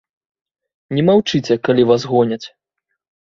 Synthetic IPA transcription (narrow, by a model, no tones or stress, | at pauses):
nʲɛmawt͡ʂɨt͡sʲɛkalʲivasɣɔnʲɐt͡sʲ